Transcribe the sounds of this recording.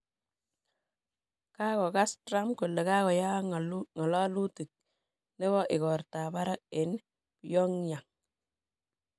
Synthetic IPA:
ka˦kɔ˨ka˦stɾa˦mko˨le˨ka˦kɔ˨ja˦ŋɔ˨lɔ˦lu˦ti˨k̚ | ne˦βɔ˦ʔɪ˨kɔ˨rta˨ba˦ɾa˦k̚e˨n | pjɔ˦ŋɲa˨ŋ

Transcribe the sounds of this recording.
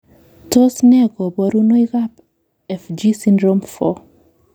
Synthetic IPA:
to˦snɛ˦ɡɔ˨bɔ˨ɾu˦no˦i˦ka˦p | ɛ˨fd͡ʒi˦sindɾo˦mfɔ˦

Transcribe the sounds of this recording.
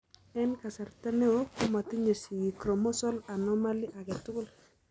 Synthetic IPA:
ɛ˦nka˨sa˨ɾta˦ne˦o˦kʊ˦ma˨ti˦ɲe˨si˨ji˨kɾo˨mɔ˦sɔ˦la˨nɔ˦ma˦li˦ʔa˨ke˨tʊ˦kʊ˦l

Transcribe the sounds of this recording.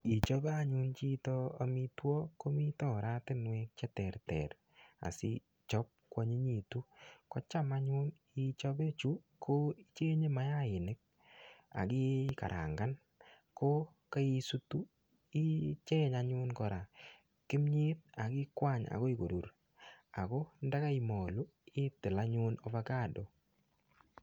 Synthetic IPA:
i˨t͡ʃɔ˦ba˦a˦ɲu˦nt͡ʃi˦tɔ˦a˨mi˦twɔ˦ko˦mi˦tɔ˦˨ɾa˦tɪ˦nwɛ˦k̚t͡ʃɛ˦tɛ˨rtɛ̰˨r | a̰˨sḭ˦ | t͡ʃɔ˦p̚kwɔ˨ɲi˦ɲi˨tu˦kɔ˦t͡ʃa˦ma˦ɲu˦n | i˨t͡ʃɔ˦be˦t͡ʃu˦ | kʰo˦i˦t͡ʃe˦ɲe˦ma˦ja˦ɪ˨ne˦k̚ | a̰˨kɪ˦ka̰˨ɾʔa̰˨ŋɡa˦n | ko˦ | ka˦i˦su˦tu˦ | i˦t͡ʃe˦ɲa˨ɲʊ˦nkɔ˨ɾa˨ | kɪ˦mɲe˦t̚a˨kɪ˦kwa˦˨ɲa̰˨kɔ˦i˦ko˨du˨ɾ | a˨kɔ˦nda˦ka˦i˨mo˨lu˦ɪ˦tɪ˨la˦ɲʊ˦nɔ˦va˦ka˦˨dɔ˨

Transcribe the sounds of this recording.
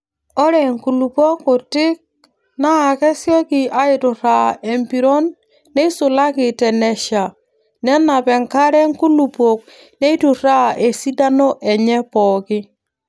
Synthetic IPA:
ɔ˦ɾɛ˨ŋku˨lu˨pɔ˦kʊ˨tɪ˦k̚ | na˦a˨kɛ˦sjɔ˦kɪ˨ʔa˦ɪ˨tʊ˨ɾa˨e˨mpi˨ɾɔ˦nː | ɛ˦sʊ˨la˦kɪ˨tɛ˨nɛ˨ʃa˨ | nɛ˦na˨pɛ˨ŋka˦ɾɛ˦ŋku˦lu˨po˨k̚ | ne˦i˦tu˨ɾa˦ʔe˨si˦da˦no˦ʔɛ˨ɲɛ˦pɔː˨kɪ˦

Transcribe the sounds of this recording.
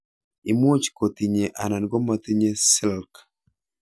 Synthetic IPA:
i˨mo˦t͡ʃko˨t̪i˨ɲe˨ʔa˨na˨nɡo˦ma˨t̪i˦ɲe˦sɪ˦lk

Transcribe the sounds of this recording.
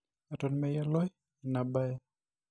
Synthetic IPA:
a˨tɔ˨nmɛja˦lɔ˦ | na˨ba˦jɛ˦

